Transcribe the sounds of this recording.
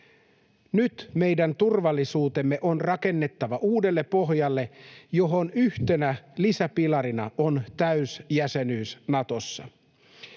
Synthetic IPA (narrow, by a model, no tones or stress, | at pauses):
nyt̪me̞jdænt̪urʋɑlːisuːt̪e̞mːe̞ʔo̞nrɑke̞nːe̞t̪ːɑʋɑʔuːde̞lːe̞pːo̞ɦjɑlːe̞jo̞ɦo̞nyht̪e̞nælisæpilɑɾinɑ̰ont̪æysjæse̞nyːsnɑt̪o̞sːɑ̰